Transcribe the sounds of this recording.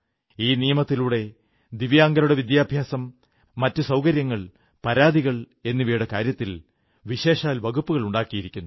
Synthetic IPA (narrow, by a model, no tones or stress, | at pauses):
iːnijɐmɐt̪ːiluɽe̞ | d̪iʋjaːŋɡɐɾuɽeʋid̪jaːbʱjaːsɐmː | ɐtːɨsɐwkɐɾjɐŋːɐɭ | pɐɾaːd̪iɣɐɭ | e̞nːiʋiːɽekaːɾjɐt̪ːil | ʋiɕe̞ːʂaːlʋɐɡupːuɣɐɭuɳɖaːkːijiɾikʲːunːu